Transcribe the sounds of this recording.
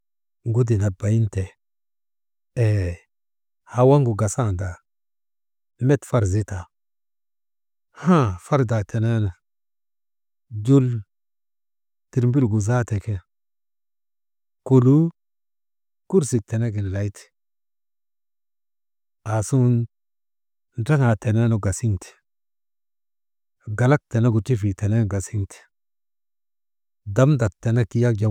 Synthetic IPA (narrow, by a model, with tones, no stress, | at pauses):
ŋɡu˦di˨na˨ba˨ji˦nte˨ | ha˨wa˦ŋɡu˨ɡa˨sa˦˨da˨ | me˦tfa˦ɾzi˦ta˨ | hã˦fa˦ɾda˨tʰe˨ne˦na˨ | du˦l | ti˨ɾmbi˦lɡu˨za˦te˨ke˦ | ku˨lu˦ | ku˦ɾsi˨k̚te˨ne˦ɡi˨nla˨jt̪i̥˨ | a˨su˦n | da˦ŋa˨te˨ne˦no˨ɡa˨si˦nti̥˨ | ɡa˨la˦k̚te˨ne˦ɡu˨t͡ʃi˦fi˨te˨ne˦n˨ɡa˨si˦ŋtʰi̥˨ | da˨mda˨tːe˨ne˦ki˦ja˦k̚d͡ʒa˨